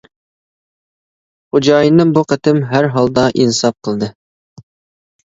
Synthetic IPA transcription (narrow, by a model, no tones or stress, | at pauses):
χʊd͡ʒɑjənəŋbuqə̆t̪ɪmɦæɾɦɑlˠd̪ɑʔinsɑp̚qʰəlˠd̪ɤ